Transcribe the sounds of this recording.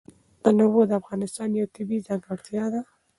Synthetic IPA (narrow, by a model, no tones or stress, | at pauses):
ənawod̪əafɣɑnɪst̪ɑnjawt̪ɪbizɑŋɡaɽt̪jɑd̪a